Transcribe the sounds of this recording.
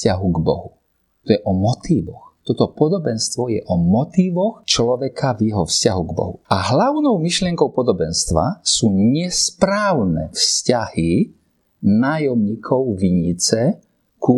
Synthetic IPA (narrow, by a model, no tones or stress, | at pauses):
caɦuɡbɔ̰ɦu | t̪ɔjɛʔɔmɔt̪iːʋɔxt̪ɔt̪ɔpɔd̪ɔbɛnst̪ʋɔjɛʔɔmɔt̪iːʋɔxt͡ʃlɔʋɛkavjɛɦɔfscaɦuɡbɔ̰ɦṵaɦlaʊnɔʊmiʃlɪɛŋkɔʊpɔd̪ɔbɛnst̪ʋa̰suːɲɛspɾaːʊnɛfscahi | naːjɔmɲiːkʰɔʊʋiɲit͡sɛ | ku